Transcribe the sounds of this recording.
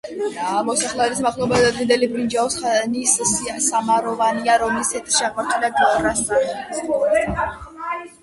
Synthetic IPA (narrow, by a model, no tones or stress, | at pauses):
amɔsaχlˠɛɛdismaχlˠɔbad̪ad̪ɡind̪ɛlibɾind͡ʒaɔsnissasamaɾɔvaniaɾɔmɛlist̪ʰɛt̪ʰʃiaʁmaɾt̪ʰɛlaɡɛɔɾasd̪a